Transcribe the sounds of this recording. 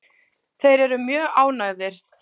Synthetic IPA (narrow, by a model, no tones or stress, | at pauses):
θejɾɛɾʏmjœːɣaːwnaɣðɪɾ̥